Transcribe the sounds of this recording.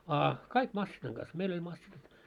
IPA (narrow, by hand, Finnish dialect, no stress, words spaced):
ɑ kɑik mɑsːinɑŋ ɡ̊ɑs meil olʲ mɑsːinɑt